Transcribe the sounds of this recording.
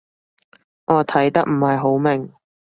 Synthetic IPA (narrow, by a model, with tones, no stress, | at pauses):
ʔɔː˨˧t̪ʰɐ˨˥jt̪ɐ˥k̚m̩˨˩hɐ˨jɦo˨˥wmɪ˨˩ŋ